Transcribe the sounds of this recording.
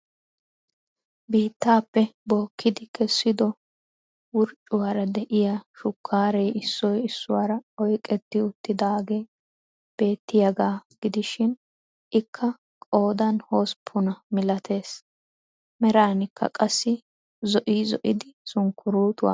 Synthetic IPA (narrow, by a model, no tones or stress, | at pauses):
biːt̪ːaːpːɛbo̞ːkʰːɪd̪ɪkʰɛsːɪd̪ɔ | wʊɾt͡ʃʼːʊwaːɾɐd̪ɛʔɪjaʃʊkʰːaːɾɛjɪsːɔjɪsːʊwaːɾɐɔjkʼɛt̪ːɪʊt̪ːɪd̪aːɡe̞ː | b̥e̞ːt̪ːɪjɐɡaːɡ̥ɪd̪ɪʃɪn | ʔɪkʰːɐ | kʼo̞ːd̪ɐnho̞ːspʰːʊnɐmɪlɐt̪ʰe̞ːs | mɛɾaːnɪkːɐ̰kʼɐsːɪ | zɔʔiːzɔʔɪd̪ɪsʊŋkʰːʊɾuːt̪ʊwa̰ː